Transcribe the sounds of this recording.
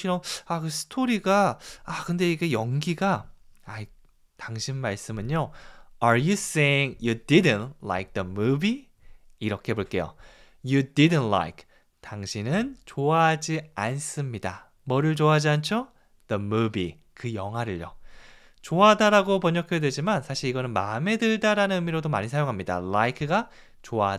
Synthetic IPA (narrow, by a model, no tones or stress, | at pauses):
ɕʰiɾʌmakɯsʰɯ̥tʰoɾiɡaakɯnde̞iɡe̞jʌŋɡiɡaai | taŋɕʰinmaɭs͈ɯmɯɲːoaɾjus͈eiŋjudidɨntla̰jk̚ðəmubiː | ɾʌkʰe̞boɭk͈e̞jo̰ | judidɨntla̰jkʰ | taŋɕʰinɯnt͡ɕoad͡ʑians͈ɯmɲida̰ | mʌɾɯɭt͡ɕoad͡ʑiant͡ɕʰo | ð̥ʌmubi | kɯjʌŋɦwaɾɯɭjo̰ | t͡ɕoadaɾaɡopʌɲʌkʰjʌdwe̞d͡ʑimansʰaɕʰiɾiɡʌnɯnmame̞dɯɭdaɾanɯnɯmiɾodomaɲisʰajoŋɦamɲida̰laikʰɯɡa | t͡ɕoa